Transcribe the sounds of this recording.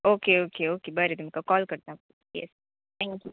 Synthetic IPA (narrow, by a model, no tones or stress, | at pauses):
oːkeoːkeoːkebɐɾet̪ɪmkakɔːlkɐɾt̪ẽɐp̚ku | jɛ̰s | t̪ʰɛ̃ːŋkʲju